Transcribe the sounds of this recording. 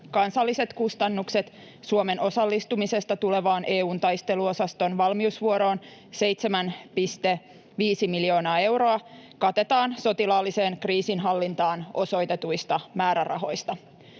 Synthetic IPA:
kɑnsɑlːise̞t̪kust̪ɑnːukset̪ | suome̞no̞sɑlːist̪umise̞st̪ɑt̪ule̞ʋɑːnʔe̞ːuːnt̪ɑjst̪e̞luo̞sɑst̪o̞nʋɑlmiusʋuoɾo̞ːn | se̞jt̪semænpist̪e̞ | ʋiːsimiljo̞ːnɑːe̞wɾo̞ɑkɑt̪e̞t̪ɑːnso̞t̪ilɑːlːise̞ːnkriːsinɦɑlːint̪ɑːno̞so̞jt̪e̞t̪ujst̪ɑmæːɾærɑ̰ɦo̞jst̪ɑ

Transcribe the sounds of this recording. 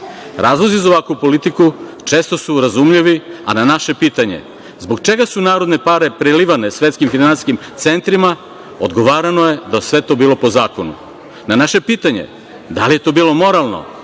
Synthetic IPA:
ɾaːzlˠozizaoʋakʋupo̞lit̪ikut͡ʃeːst̪o̞suɾazumʎiʋia̰nanaʃe̞piːt̪aɲe̞̰ | zboɡt͡ʃe̞ɡasunaːɾod̪ne̞paɾe̞pɾeliʋane̞sʋe̞t̪skimfinansiskimt̪se̞nt̪ɾima | o̰d̪ɡo̞ʋaːɾanoje̞d̪asʋe̞t̪o̞biːlˠo̞po̞zaːko̞nu | nanaʃe̞piːt̪aɲḛ | d̪alije̞t̪o̞biːlˠo̞mo̞ɾalˠno̰

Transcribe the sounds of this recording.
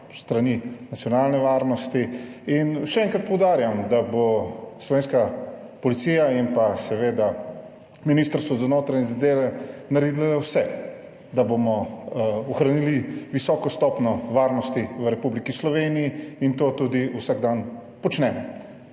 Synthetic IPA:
st̪ɾaninat̪sijɔnaːlnɛʋaːɾnɔst̪iinʃɛɛːŋkɾat̪̚pɔwd̪aːɾjamd̪aboslɔʋeːnska | pɔlit̪siːjaimpasɛʋeːd̪a | miniːst̪əɾst̪ʋɔzanoːt̪ɾaɲɛzad̪eːʋɛnaɾed̪ilaawsɛ | d̪abomɔ | ɔxɾaniliʋisɔːkɔst̪ɔpnɔʋaːɾnɔst̪iʋəɾɛpublikislɔʋeːnijːint̪oːt̪ud̪iusaɡd̪anpɔt͡ʃnɛːmɔ

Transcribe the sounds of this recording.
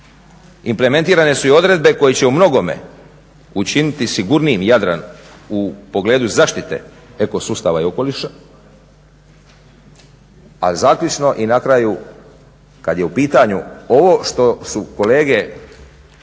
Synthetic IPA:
implement̪iːɾane̞suio̞d̪ɾe̞d̪̚be̞ko̞jet͡ɕe̞umno̞ɡo̞me̞̰ | ut͡ʃinit̪isiɡuɾniimjad̪ɾa̰n | upo̞ɡleːd̪uzaʃt̪it̪e̞̰ | eko̞suːst̪aʋaio̞ko̞liʃa | a̰zaːklut͡ʃno̞ʔinakɾaju | kad̪je̞upiːt̪aɲuo̞ʋo̞ʃt̪o̞suko̞le̞ːɡe̞

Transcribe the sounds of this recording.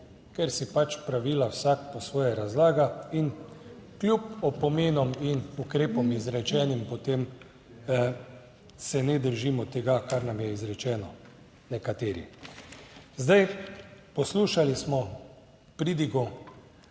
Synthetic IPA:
kɛɾsipat͡ʃpɾaʋiːlawsak̚pɔsʋɔːjaɾazlaːɡain | klʲjupɔpɔmeːnɔminukɾeːpɔmizɾɛt͡ʃɛːnimpɔt̪eːm | sɛnɛd̪əɾʒimɔt̪ɛɡakaɾnamjɛizɾɛt͡ʃɛːnɔ | nɛkat̪eːɾḭ | zd̪ajpɔsluːʃalismɔ | pɾiːd̪iɡu

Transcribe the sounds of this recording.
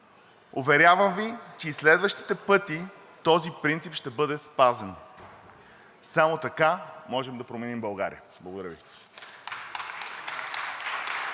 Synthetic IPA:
ovɛɾʲavəmvit͡ʃɛislɛd̪vəʃt̪i̥t̪ɛpɤt̪i | t̪ɔzipɾint̪sipʃt̪ɛbɤd̪ɛspazɛn | samot̪ɐkamɔʒɛmd̪ɐpɾomɛnimbɐlˠɡa̰ɾḭə | blˠɐɡod̪ɐɾəvḭ

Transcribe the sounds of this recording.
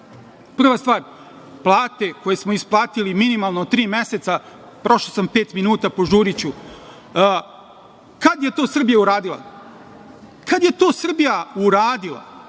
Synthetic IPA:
pr̩ʋast̪vaːɾ | plˠaːt̪e̞ko̞jesmo̞isplˠaːt̪iliminimalˠnot̪t̪ɾiːmjeset̪sa | pɾo̞ʃlosampe̞ːt̪minuːt̪apo̞ʒuːɾit͡ɕu | kad̪je̞t̪o̞ːsr̩bijauɾaːd̪ilˠa̰ | kad̪je̞t̪oːsr̩bijauɾaːd̪ilˠa̰

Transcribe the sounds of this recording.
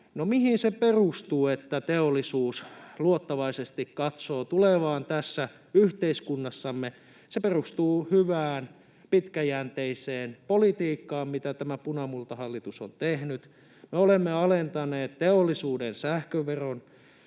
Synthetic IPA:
nomihinseperust̪uːet̪ːæt̪eolːˑisuːsluot̪ːɑʋɑisest̪ikkɑt̪soːt̪uleʋɑːnt̪æsːæ | yht̪eiskunːɑsːɑmːe | seperust̪uːhyʋæːn | pit̪kæjæːnt̪eiseːnpolit̪iːkːɑːmmit̪æt̪æmæpunɑmult̪ɑhɑlːit̪uso̰nt̪ehnyt̪ | meolemːeɑlent̪ɑneːt̪t̪eolːisuːdensæhkøʋeron

